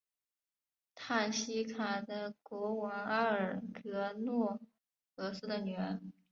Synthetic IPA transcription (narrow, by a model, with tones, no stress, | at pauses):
t̪ʰa˥˩nɕi˥kʰa˨˩d̪ə˧kwɔ˧˥wɑ˧˥ŋa˥ə˞˨˩kɤ˧˥nwɔ˥˩ | xɤ˧˥sɹ̩˥d̪ə˨nɥɛ˧˥n